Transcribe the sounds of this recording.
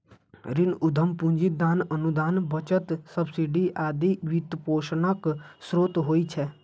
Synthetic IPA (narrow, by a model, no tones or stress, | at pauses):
ɾɪnʊd̪ʱəmpʊ̃ɲd͡ʒɪt̪̚d̪aːnənud̪aːnbət͡ʃət̪səbsiɖiːʔaːd̪iːʋit̪poːʃnəksɾoːt̪ɦoːiːt͡ʃʰɛː